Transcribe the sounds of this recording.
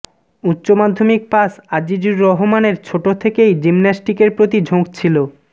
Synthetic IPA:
utːɕomad̪ʱːomik̚pasad͡ʑid͡ʑuɾːɔɦomaneɾt͡ɕʰoʈot̪ʰekejd͡ʑimnasʈikeɾpɾot̪id͡ʑʱõk̚t͡ɕʰilo

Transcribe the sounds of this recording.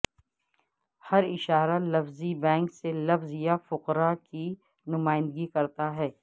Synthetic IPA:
hɐɾɪʃaːɾalɐfzibɛ̃ːŋkselɐfzjafʊqɾaki | nʊmaːɪ̃nd̪ɡikɐɾt̪aɦɛː

